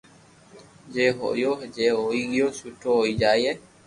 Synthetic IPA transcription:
d͡ʒɛɦɔ̰jod͡ʒɛɔiɡjosutɔid͡ʒajɛ

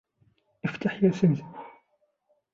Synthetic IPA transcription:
əft̪aħjæsəmz

